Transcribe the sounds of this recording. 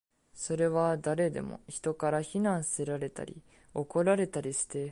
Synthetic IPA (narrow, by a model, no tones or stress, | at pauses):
so̞ɾe̞βad̪aɾe̞d̪e̞̰mo̞̰çi̥t̪o̞kaɾaçinãɰ̃sɨ̥se̞ɾaɾe̞t̪a̰ɾʲḭ | o̞ko̞ɾaɾe̞t̪aɾʲiɕɨ̥t̪e̞